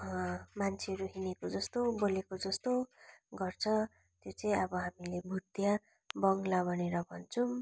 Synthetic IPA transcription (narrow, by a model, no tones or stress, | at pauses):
mant͡sʰeʌɾuɦinekod͡zʌst̪obolekod͡zʌst̪oɡʌrt͡sʰʌ | t̪jot͡sʌĩʌbʌɦamilebʱut̪ja | bʌŋɡlabʱʌneɾʌbʱʌnt͡sʰu